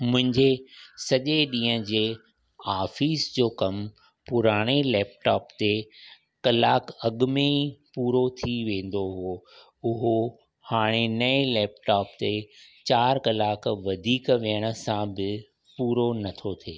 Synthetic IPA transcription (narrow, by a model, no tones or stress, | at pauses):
mʊ̃ɦɪ̃ɲd͡ʑesɐʄeɗĩːə̃d͡ʑeː | aːfiːsd͡ʑoːkɐm | pʊɾaːɽ̃elɛːpʈaːpt̪e | kɐlaːkɐɠʊmepuːɾot̪ʰiʋẽːn̆d̪oɦʊo | ʊɦo | haːɽ̃enɐelɛːpʈaːpt̪et͡ɕaːɾkɐlaːkʋɐd̪ʱiːkʋeəɽ̃ə̆sãbɪ | puːɾonɐt̪ʰot̪ʰeː